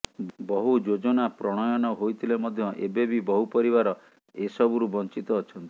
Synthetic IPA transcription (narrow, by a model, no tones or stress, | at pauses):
bɔɦud͡ʒod͡ʒɔnapɾɔɽ̃ɔjɔnɔɦojt̪ʰilemɔd̪ʱjɔʔḛbebibɔɦupɔɾiβaɾɔ | esɔbuɾubɔnt͡ʃit̪ɔːt͡ʃʰɔnt̪i